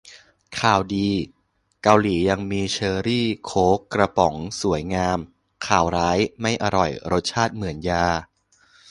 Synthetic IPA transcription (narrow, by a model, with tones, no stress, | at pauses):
kʰaː˨˩wdiː˧ | ka˧wliː˩˦ja˧ŋmiː˧t͡ɕʰɤː˧ɾiː˥˩kʰoː˦˥kɾa˧pɔ˩˦ŋsu˨˩˦əjŋaː˧m | kʰaː˨˩wɾaː˦˥jma˥˩jʔa˧ɾɔ˨˩jɾo˦˥t̪̚t͡ɕʰaː˥˩t̪̚mɯ˩˦ənjaː˧